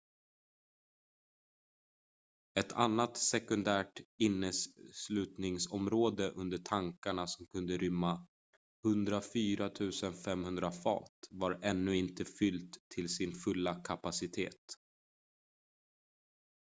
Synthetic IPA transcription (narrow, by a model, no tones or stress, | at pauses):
ɛt̪ʰanːat̪sɛkɵnd̪æːʈɪnːəsslʉ̟ːt̪nɪŋsɔmɾoːd̪əʔɵnd̪əʈʰaŋkaɳasɔmkʰɵnd̪əɾʏmːa | hɵnd̪ɾafyːɾat̪ʰʉ̟ːsənfɛmhɵnd̪ɾafɑ̰ːt̪vaɾɛnːɵɪnt̪əfʏlt̪ʰːɪlsɪnfɵlːakʰapasɪt̪ʰḛːt̪